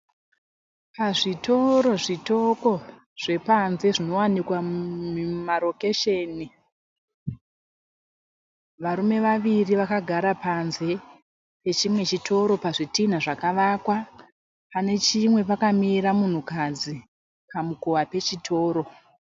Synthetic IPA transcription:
paʐito̞ɾo̞ʐito̞ko̞ | ʐ̥e̞panze̞ʐino̞wanikwamumaɾo̞ke̞ʃeːni | ʋaɾume̞ʋaʋiriʋakaɡʱaɾapanze̞ | pe̞t͡ʃimwe̞t͡ʃitʰo̞ɾo̞paʐitin̤aʐakaʋakwa | pane̞t͡ʃimwe̞pakamiɾamun̤ukad͡zi | pamukowape̞t͡ʃitʰo̞ːɾo̞

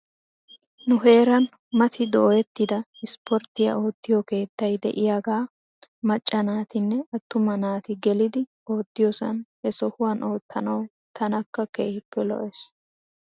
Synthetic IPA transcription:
nʊɦe̞ːɾɐn | mɐt̪ʰɪd̪oːjɛt̪ːɪd̪ɐɪspʰɔɾt̪ːɪjɐ̰o̞ːt̪ːɪjɔke̞ːt̪ːɐjd̪ɛ̰ʔɪjaːɡaː | mɐt͡ʃʼːɐnaːt̪ɪnːɛɐt̪ːʊmɐnaːt̪ɪɡɛlɪd̪ɪ | o̞ːt̪ːɪjɔsɐ̰nhɛsɔhʊwɐnʔoːt̪ːɐnɐw | t̪ʰɐnɐkːɐkeːhɪpːɛlɔ̰ʔɛs

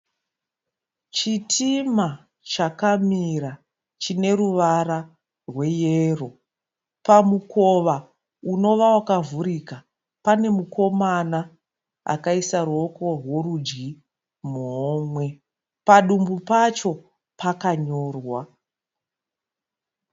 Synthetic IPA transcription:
t͡ʃitʰima | t͡ʃakamira | t͡ʃine̞ruʋara | rwe̞jero̞ | pamukʰo̞ʋa | uno̞ʋawakavuɾika | pane̞mukʰo̞mana | a̰kaisaruo̞ko̞rwo̞rud͡ʒɡi | moːmwe̞ | paɗumbupat͡ʃo̞ | pakaɲo̞ːrwa

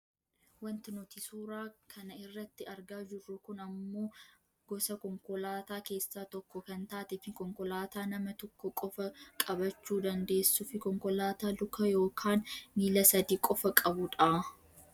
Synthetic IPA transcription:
wɐnt̪ɪnʊt̪ɪsuːɾaːkʰɐnɐɪrːɐt̪ːɪɐɾɡaːd͡ʒɪrːʊkʊnɐmːo̞ː | ɡ̥ɔsɐkɔŋkɔlaːt̪aːke̞ːsːaːt̪ɔkːɔkɐnt̪aːt̪ɛfɪkɔŋkɔlaːt̪aːnɐmɐt̪ɔkːɔkʼɔfɐkʼɐbɐt͡ʃːuːd̪ɐnd̪e̞ːsːʊfɪkɔŋkɔlaːt̪aːlʊkʰɐjo̞ːkʰaːnmiːlɐsɐd̪iːkʼɔfɐkʼɐbʊᶑaː

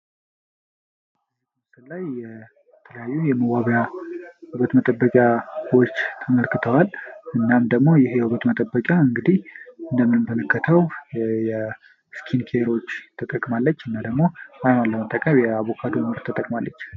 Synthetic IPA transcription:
mst̪ɨnlːajɛ | t̪ʰələjajːujɛməwaβjahuβət̪mət̪ʼəbːəkʼjawot͡ʃːt̪ʰəməlkɨt̪ʰəwalɨnːamd̪əɡmo̞jɪhjɛhuβət̪mət̪ʼəbːəkʼjaɨŋɡɨd̪ihɨnd̪əmːɨnɨbənəkːət̪ʰəwjɛ | skʰinkʰeɾo̞t͡ʃːt̪ʰət̪ʼəkʼmalːət͡ʃːɨnːad̪əɡmo̞ajnaləmət̪ʼːəkʼəmmjɛaβo̞kʰad̪oməɾt̪ʰət̪ʼəkʼmalːət͡ʃː

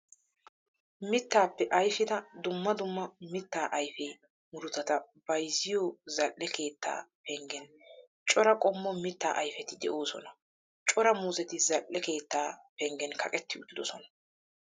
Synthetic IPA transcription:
mɪt̪ːaːpːɛʔɐjfɪd̪ɐd̪ʊmːɐd̪ʊmːɐmɪt̪ːaːʔɐjfɛː | mʊɾʊt̪ːɐt̪ɐ | b̥ɐjzɪjozɐlʔːɛke̞ːt̪ːa̰ːpɛŋɡɛn | t͡ʃʼɔɾɐkʼɔmːɔmɪt̪ːa̰ːʔɐjfɛt̪ɪd̪ɛʔo̞ːsɔ̰nɐ | t͡ʃʼɔɾɐmuːzɛt̪ɪzɐlʔːɛke̞ːt̪ːaːpɛŋɡɛnkʰɐkʼɛt̪ːɪʊd̪ːɪd̪ɔsɔnɐ̥

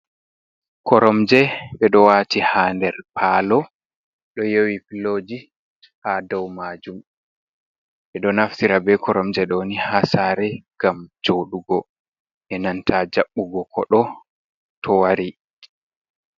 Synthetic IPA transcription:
kʰɔɾɔmd͡ʒɛɓɛɗɔwatihaːndɛɾpʰalɔ | ɗɔjowipiloːd͡ʒi | hadɔwmaːd͡ʒum | ɓɛɗɔnaftiɾabɛkʰɔɾɔmd͡ʒɛɗɔnihasaːɾɛɡ̥amd͡ʒoɗuɡɔ | ʔɛnantʰad͡ʒaɓːuɡɔkʰɔ̰ɗɔ | tʰɔwaɾi

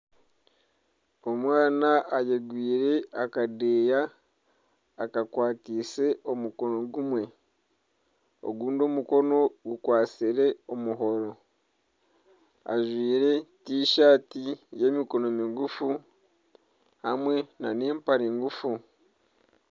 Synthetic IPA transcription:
omwaːnaʔajeɡwiːɾe̞akadeːja | kakwaːtise̞o̞muko̞no̞ɡumwe̞ | o̰ɡuːndo̞muko̞no̞ɡukwaːt͡siɾe̞omuɦo̞ɾo̞ | a̰ʒwiːɾe̞tiːʃaːtije̞miko̞no̞miɡufu | hamwe̞naneːmpaɾiŋɡufu

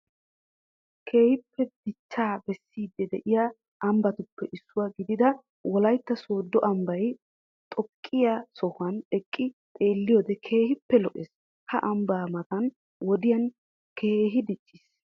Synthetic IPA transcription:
kʰe̞ːhɪpːɛd̪̥ɪt͡ʃːaːbɛsːiːd̪ːɛd̪ɛʔɪja | ʔɐmbɐt̪ʊpːɛʔɪsːʊwaːɡɪd̪ɪd̪ɐ | wɔlɐjt̪ːɐso̞ːd̪ːɔʔɐmbɐj | t̪ʼɔkʼːɪjasɔhʊɐnɛkʼːɪt̪ʼe̞ːlːɪjoːd̪ɛkʰe̞ːhɪpːɛlɔʔeːs | hɐʔɐmbaːmɐt̪ɐn | wɔd̪ɪjɐn | kʰe̞ːɦɪd̪ɪt͡ʃʼːɪs

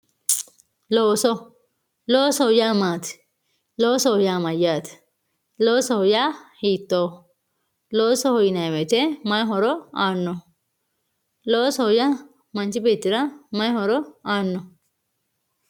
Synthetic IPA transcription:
loːso | loːsojamat̪ʰ | loːsojamajaːt̪ʰ | loːsoojahit̪ːo | loːsoɦojinaʋet̪emajɦoɾoanːo | loːsoja | mɐnt͡ʃibet̪ːiɾamɐjɦoɾoaːnːo

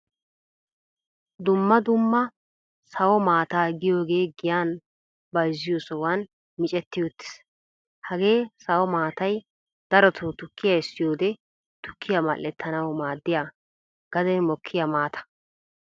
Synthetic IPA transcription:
d̪ʊmːɐd̪ʊmːɐ | sɐwɔmaːt̪aːɡɪjo̞ːɡe̞ːɡɪjaːn | bɐjzːɪjosɔwan | mɪt͡ʃʼɛt̪ːɪjot̪ːɪ̥s | hɐɡe̞ːsɐwɔmaːt̪ɐj | d̪̥ɐɾɔt̪ʰoːt̪ʊkːɪjaɪsːɪjo̞ːd̪ɛ | t̪ʊ̥kʰːɪjamɐ̰lːɛt̪ʰːɐnɐwmaːd̪ːɪjaː | ɡ̥ɐd̪ɛnmɔkʰːɪjamaːt̪ʰɐ̥

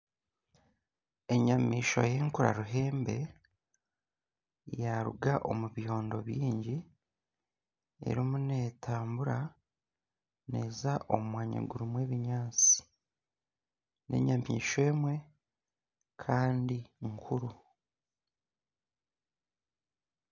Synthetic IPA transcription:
e̞ɲamiːʃo̰je̞ŋkuɾa̰ɾuɦe̞ːmbe̞ | jaɾṵɡaʔo̞̰muβjo̞ːndo̞βjiːɲɟi | e̞̰ɾimune̞ːtʰaːmbuɾa | ne̞ːzaʔo̞̰mumwaːɲa̰ɡuɾumwe̞ːβiɲaːt͡si̥ | nʔe̞̰ɲamḭːʃwe̞ːmwe̞ | kʰaːndiŋkʰuɾu

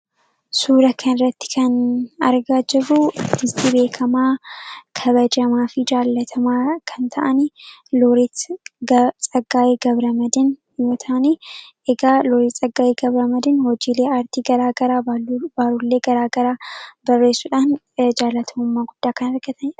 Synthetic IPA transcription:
suːɾɐkʰɐnɪrːɐt̪ːɪ̥kʰɐnɐ̰ɾɡaːd͡ʒɪbʊt̪ːɪst̪ibe̞ːkʰɐmaːkʰɐβɐd͡ʒɐmaːfɪd͡ʒaːlːɐt̪ʰɐmaːkʰɐnt̪ʰɐʔɐnloɾi | t͡sʼɐɡaːjeɡɐbɾɐmɐd̪ɪn | jo̞ːt̪ʰaːni | ɛɡaːlɔɾiːt͡sʼɐɡaːʔeːɡɐbɾɐmɐd̪ɪnhɔd͡ʒiːle̞ːɐɾt̪iːɡɐɾaːɡɐɾaːbbaːɾʊlːeːɡɐɾaːɡɐɾaːbɐrːe̞ːsːʊᶑaːn | d͡ʒaːlːɐt̪ʰɐʊmːaːɡʊd̪̥ːaːkɐnɐɾɡɐt̪ɐn

